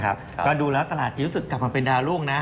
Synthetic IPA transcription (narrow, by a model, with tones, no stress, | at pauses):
kʰa̰˦˥p̚kɔː˥˩duː˧lɛː˦˥wt̪a˧laː˨˩t̪̚ʰi˦ɾu˦˥sɯ˨˩kːla˨˩p̚ma˧pe˧ndaː˧ɾu˥˩əŋna˦˥